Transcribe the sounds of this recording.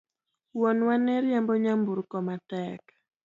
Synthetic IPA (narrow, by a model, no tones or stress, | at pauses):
wɔnwanɛɾjamboɲambuɾkɔmatɛk